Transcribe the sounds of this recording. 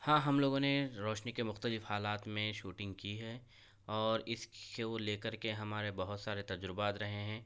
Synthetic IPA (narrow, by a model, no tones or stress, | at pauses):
hãːɦɐmloːɡõneɾɔːʃnikemʊxt̪əlɪfhaːlaːt̪mẽʃuːʈɪ̃ŋɡkiɦɛː | ɔːɾɪseoleːkəɾkeɦɐmaːɾebɐɦʊt̪saːɾet̪ɐd͡ʒɾɪbaːt̪ɾɐɦeɦɛ̃ː